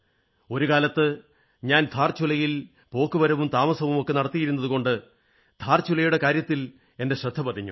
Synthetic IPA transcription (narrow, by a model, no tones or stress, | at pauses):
o̞ɾukaːlɐt̪ːɨ | ɲaːnd̪ʱaːrt͡ɕulɐjil | po̞ːkːɨʋɐɾɐʋumt̪aːmɐsɐʋumo̞kːe̞nɐɽɐt̪ːijiɾunːɐðuko̞ɳɖɨ | d̪ʱaːrt͡ɕulɐjuɽe̞kaːɾjɐt̪ːil | e̞nde̞ɕrɐd̪ʱːɐpɐd̪ʰʱiɲːṵ